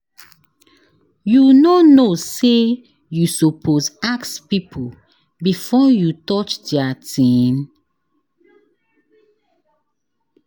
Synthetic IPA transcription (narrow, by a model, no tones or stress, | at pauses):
junonose | jusopʰozakspipʰu | bifɔjutɔt͡ʃdɛatĩn